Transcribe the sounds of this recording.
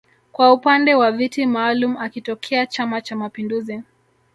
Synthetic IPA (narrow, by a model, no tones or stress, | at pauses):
kwaupandɛwavitimaːlumuakitɔkʰɛat͡ʃamat͡ʃamapinduzi